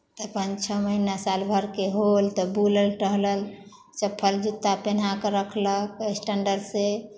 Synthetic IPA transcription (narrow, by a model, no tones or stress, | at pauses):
t̪əpənt͡ʃʰəməɦinasalbʱəɾkeɦolt̪ɔbuləlʈəɦləl | t͡ʃəpʰːəld͡ʒut̪ːapen̤akəɾəkʰləkesʈəɳɖəɾse